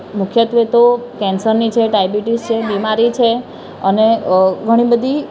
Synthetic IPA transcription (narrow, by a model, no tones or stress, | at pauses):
mʊkʰjət̪ʋet̪okɛ̃nsəɾnit͡ʃʰeɖajbiʈist͡ʃʰebimaɾit͡ʃʰe | əneɡʱəɽ̃ibəd̪ʱi